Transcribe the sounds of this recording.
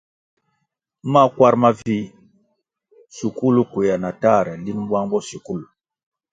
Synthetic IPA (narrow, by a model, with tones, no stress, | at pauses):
ma˦kwa˦ɾma˦vi˦ | su˨ku˦lu˦kʷe˨ja˨na˨ta˦˨ɾɛ˨li˦nba˦ŋbɔ˦su˨ku˦lu˨